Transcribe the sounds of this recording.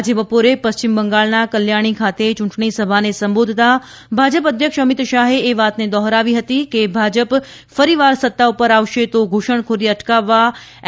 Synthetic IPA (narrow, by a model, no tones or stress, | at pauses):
d͡ʒebəpoɾepəst͡ʃɪmbəŋɡaːɭnakəljaːɽ̃ikʰaːt̪et͡ʃʊ̃ɳʈɳ̃isəbʱanesɐ̃mboːd̪ʱɪt̪a | bʱaːd͡ʒəpəd̪ʱjəkʃəmɪt̪ʃaːɦeeʋaːt̪ned̪ɔːɦɾaʋiɦɐt̪ikebʱaːd͡ʒəp | fəɾiʋaːɾsət̪ːaʊpəɾaːʋʃet̪oɡʱoʃəɳ̃kʰoɾiɐʈkaʋːa